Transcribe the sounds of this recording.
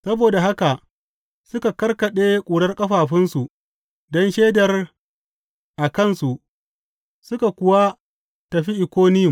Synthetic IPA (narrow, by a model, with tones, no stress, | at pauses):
sɐ˦boː˨da˨ɦa˦ka˨ʔ | sʊ˦ka˨kɐ˦rkɐ˨ɗeː˦kʷʼuː˨ɽɐ˦rkʼɐ˦ɸaː˨ɸɪ˦nsu˨ | dɔ˦nʃeː˦dɐ˨r | ʔa˨kɐ˦˨nsu˨ʔ | sʊ˦ka˨kʷʊ˦wa˦ | tɐ˨ɸi˦ʔɪ˨kʷoː˦nɪ˦jʊ˨m